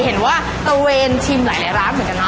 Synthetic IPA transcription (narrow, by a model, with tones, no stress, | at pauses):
ɦe˨˩˦nwaː˥˩ | t̪a˧weː˧nt̪ʰi˧mlaː˩˦jla˨˦jɾaː˦˥nmɯ˨˦ka˧nː˦˥